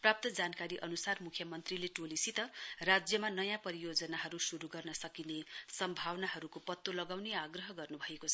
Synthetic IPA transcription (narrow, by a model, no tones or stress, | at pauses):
prap̚t̪ʌd͡zankaɾiʔʌnusarmukʰjʌmʌnt̪rileʈolisit̪ʌrad͡zjʌmanʌjãpʌɾijod͡zʌnaɦʌɾusuɾuɡʌrnʌsʌkinesʌmbʱawnaɦʌɾukopʌt̪ːolʌɡawneaɡrʌɦʌɡʌrnubʱʌekot͡sʰʌ